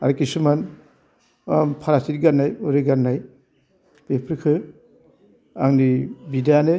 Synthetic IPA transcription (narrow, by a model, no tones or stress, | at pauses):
a̰ɾkisuman | pʰaɾasit̚ɡanːajuɾɯɡanːaj | b̥epʰɾkʰɯ | aŋnibidane